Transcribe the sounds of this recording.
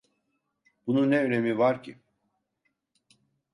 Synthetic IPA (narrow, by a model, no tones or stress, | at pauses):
bununːeøne̞mivaɾcʰḭ